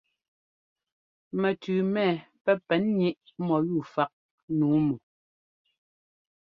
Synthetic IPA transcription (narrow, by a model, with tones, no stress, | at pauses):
mɛ˨tʉː˨mɛ˦˨pɛ˦pɛ˨˦nɲi˦ʔmɔ˨ju˦˨fa˦k̚ | nuː˨˦mu˨